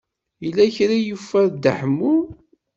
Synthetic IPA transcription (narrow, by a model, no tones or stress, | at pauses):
jəlːæçɾajufæɾd̪əħmːu